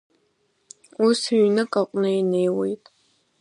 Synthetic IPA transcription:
usɥnɨkʼaqʷʼnɨinejwḛjtʼ

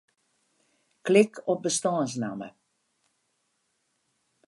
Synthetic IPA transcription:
klɪkʰɔp̚bəstɔːns̬namə̰

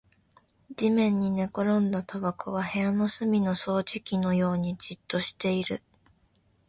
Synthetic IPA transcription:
d͡ʑimẽ̞ɲ̟ːine̞ko̞ɾõ̞nd̪at̪abakʰo̞βahe̞ano̞sɨmʲino̞so̞ːʑikʲino̞jo̞ːɲ̟id͡ʑit̪ːo̞ɕi̥t̪e̞iɾɯ̟

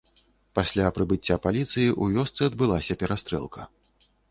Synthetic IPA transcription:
pasʲlʲapɾɨbɨt͡sʲːapalʲit̪sɨjiʔuvʲɔst̪sɨɐd̪̚bɨlˠasʲɐpʲɛɾast̪ɾɛ̰lˠkʰɐ

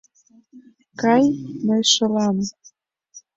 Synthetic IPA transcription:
kɑjməjʃɤlɑm

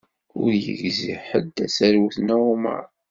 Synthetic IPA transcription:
ʊɾjə̰ʝzḭħəd̪ːæsæɾwuθnæʊmə̰ɾˤ

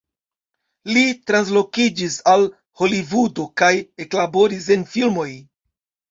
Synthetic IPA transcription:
litɾans̬lo̞kid͡ʒisal | ho̞livudo̞kaje̞klabo̞ɾis̬e̞nfilmo̞j

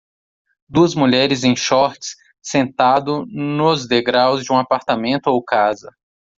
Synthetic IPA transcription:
d̪uɐzmuʎɛɾɪzẽj̃ʃɔɾt͡ʃɪ̥s | sẽnt̪ad̪ʊnʊzd̪eɡɾawzd͡ʒɪũapaɾt̪amẽnt̪ʊowkazɐ

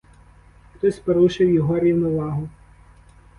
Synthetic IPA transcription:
xt̪ɔsʲpɔɾuʃɪwjɔɦɔɾʲiwnʊʋɑɦʊ

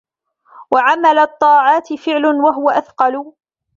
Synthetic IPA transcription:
waʕamalat̪ˤːɑːʕɑːt̪ɪfɪʕlʊnwaɦʊwaʔaθqɑlʊ

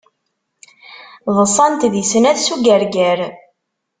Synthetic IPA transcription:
ðˤəsˤɑnt̪ðisnæðsuɡæɾɡæɾ

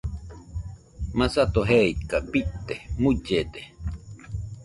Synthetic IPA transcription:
masat̪oɦeit̪̚kabit̪ːemud͡ʒed̪e

